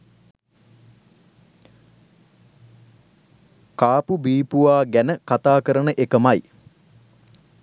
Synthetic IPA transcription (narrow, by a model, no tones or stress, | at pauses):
kaːpubiːpuʋaːɡænəkat̪aːkəɾənəʔekəmaj